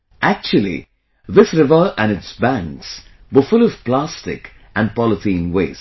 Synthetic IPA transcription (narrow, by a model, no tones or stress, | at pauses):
ʔæk̚t͡ʃuəlḭ | ðɪsɾɪvəʔɨ̃nɨtsbæ̃ŋks | wəfʊlɔv̥plæstɪ̰k | ʔə̃n̚pɔlˠətʰĩnweːz̥